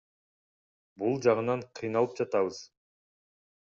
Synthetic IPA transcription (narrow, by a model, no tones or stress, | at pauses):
bulˠd͡ʒɑʁɯnɑɴqʰijnɑlˠɯp̚d͡ʒɑt̪ɑβɯz̥